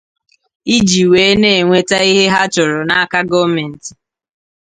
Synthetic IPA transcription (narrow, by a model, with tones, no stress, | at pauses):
i˦d͡ʒi˨weː˨˦ne˦˨ŋʷe˦ta˦i˦ɦe˦ɦa˦t͡ʃʊ˨ɾʊ˨na˦a˦ka˦ɡɔ˦me˨n̩˨tɪ̥˨